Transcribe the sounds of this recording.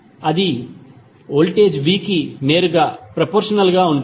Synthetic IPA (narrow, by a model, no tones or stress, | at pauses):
ɐd̪i | oːlʈeːd͡ʒʋiːkineːɾuɡaːpɾɐpoːɾʂɐnɐlɡaːuɳʈ